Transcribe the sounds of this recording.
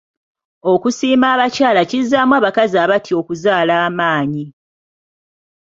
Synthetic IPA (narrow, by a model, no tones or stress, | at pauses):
o̞kusiːmaːβacaːlacizamwaːβakaziaːβatʰio̞kuzaːlaːmaːɲi